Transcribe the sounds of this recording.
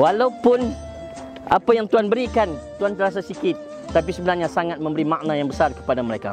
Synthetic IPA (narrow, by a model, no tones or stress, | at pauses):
walaupʊn | a̰pajaŋt̪uanbəɾikant̪uant̪əɾas̬asikɪt̪̚ː | ap̬isəbənarɲasaŋat̪̚mə̃mbəɾimak̚najaŋbəsarkə̥padaməɾeka̰